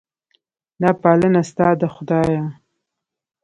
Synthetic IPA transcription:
nɑpɑlənast̪ɑd̪əxʊd̪ɑja

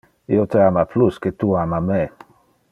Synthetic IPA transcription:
iot̪eamaplusket̪uamamɛ

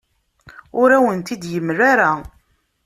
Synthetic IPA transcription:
ʊɾæwənt̪id̪jəmːraɾa

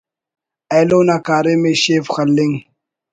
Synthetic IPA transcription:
ejloːnakaːɾemeɕeːfxɐlːiŋ

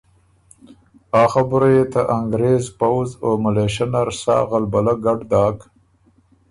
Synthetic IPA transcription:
ɑːxabʊɾajet̪aʔaŋɡɾezpawzomaleʃanaɾsɑ̰ːɣalbalaɡaɖd̪ɑːk

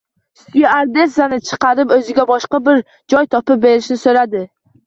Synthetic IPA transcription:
sʊjaaɾd̪e̞sanɪt͡ʃʰɨ̥qɑɾɪpɵzɪɡʲabɒʃqɑbɪɾ | d͡ʒɒjt̪ʰɒpɪp̚be̞ɾɪʃnɪsɵɾad̪ɪ

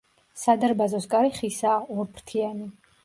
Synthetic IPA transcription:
sad̪aɾbazɔskʼaɾiχisaːɔɾpʰɾt̪ʰiani

